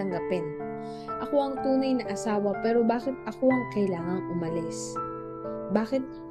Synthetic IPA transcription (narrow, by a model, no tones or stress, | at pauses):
ɐŋɡɐpɛn | ʔɐko̞ʔɐŋt̪uːnɐjnɐʔɐsaːwɐpɛːɾobaːkɪt̪̚ʔɐko̞ʔɐŋkɐjlaːŋɐŋʔʊmɐlɪs | baːkɪt̪̚